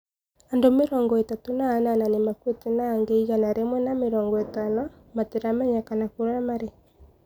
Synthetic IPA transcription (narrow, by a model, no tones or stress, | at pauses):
andomeɾɔːŋɡɔetatonaːnananemakwetenaːŋɡeiɣanaɾemwɛnameɾɔːŋɡɔetanɔ | mateɾamɛɲakanakoɾamaɾe